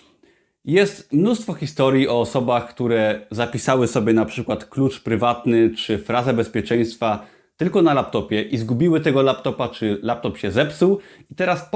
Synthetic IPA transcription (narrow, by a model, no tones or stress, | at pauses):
jɛst̪mnust̪fɔxʲist̪ɔɾʲjiʔɔːsɔbaxkt̪uɾɛzapʲisawɘsɔbʲjɛnapʂɘkwat̪klut͡ʂpɾɘvat̪nɘt͡ʂɘfɾazɛbɛspʲjɛt͡ʂɛj̃st̪fa | t̪ɘlkɔnalapt̪ɔpʲjɛʔizɡubʲiwɘt̪ɛɡɔlapt̪ɔpat͡ʂɘlap̚t̪ɔpɕɛzɛpsuw | it̪ɛɾas